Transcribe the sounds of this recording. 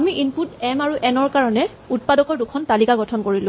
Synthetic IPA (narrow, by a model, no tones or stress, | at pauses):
amiʔinputɛmaɹuʔɛnɔɹkaɹɔnɛ | ut̚padɔkɔɹdukʰɔntalikaɡɔtʰɔnkoɹilʊ̃